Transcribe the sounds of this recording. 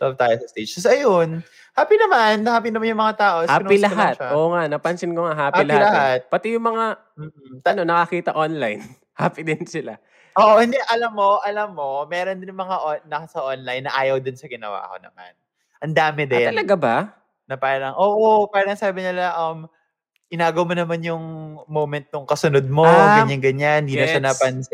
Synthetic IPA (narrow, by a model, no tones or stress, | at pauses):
t̪ob̚t̪aːjosɐst̪et͡ʃɐsɐjon | haːpinɐmanːɐhaːpinɐmanjʊŋmɐŋat̪aːʔohːnilɐɦat̪ʔoːŋanɐpɐnsɪnkoŋaɦaːpailɐalɐɦat̪̚pɐt̪ɛjʊŋmɐŋa | m̩ːt̪ɐno̞nɐkɐkiːt̪ɐʔonlajn | haːpid̪ɪnsɪla̰ | ʔoːʔoʔɪnd̪ɛʔɐlɐmːo̞ʔɐlɐmːo̞mɛːɾond̪ɪnmɐŋaʔonɐɐsɐʔonlɐjnːɐʔaːjɐwd̪ɪnsɐɡɪnɐ̰wa̰ːko̞̰nɐ̰ma̰n | ʔɐnd̪aːmɪd̪ɛɐlɐɡaba | nɐpaːɾɐlɐŋʔoːʔopaːɾɐŋsaːbɪɲɪlɐʔɐm | ʔɪnaːɡowmonɐmanjʊŋmomɛnt̪̚nʊŋkɐsʊnod̪̚moɡɐɲaŋɡɐɲand̪iːnosɐnɐpɐn